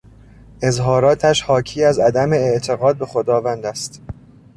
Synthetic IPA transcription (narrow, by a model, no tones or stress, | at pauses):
ʔe̞zɦɒːɾɒːt̪ʰæʃhɒːcʰiːæzæd̪æme̞eʔt̪ʰe̞ɣɒːd̪̚be̞xo̞d̪ɒːvænd̪æst̪